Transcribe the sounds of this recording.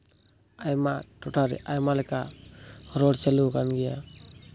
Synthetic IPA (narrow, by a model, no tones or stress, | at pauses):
ajmaʈɔʈaɾɛ̰ʔajmalɛka | ɾɔɽt͡ʃalukanɡɛja